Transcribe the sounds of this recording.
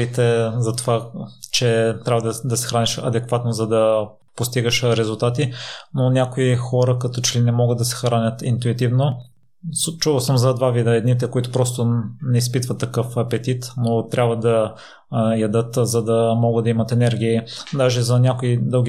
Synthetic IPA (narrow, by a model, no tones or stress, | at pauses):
it̪ɛzɐt̪ovat͡ʃɛt̪ɾʲabvəd̪d̪ɐsɛ̥xɾaniʃɐ̰d̪ɛkvat̪nozɐd̪ɐ | post̪iɡəʃɾɛzulˠt̪at̪inonʲakoixɔɾəkɐt̪ɔt͡ʃɛlinɛmɔɡəd̪ɐsɛ̥xɾanʲət̪int̪uit̪ivno | st͡ʃuvəlˠsəmzɐd̪vavid̪əɛd̪nit̪̬ɛkoit̪ʊ̥pɾɔst̪onɛispit̪vət̪ːɐkɤfɐpɛt̪it̪not̪ɾʲʔabvəd̪ɐ | jɐd̪ɤt̪zɐd̪ɐmɔɡət̪d̪ɐimɐt̪ɛnɛɾɡ̟ʲiːd̪aʒɛzɐnʲakoid̪ɤlˠɡʲi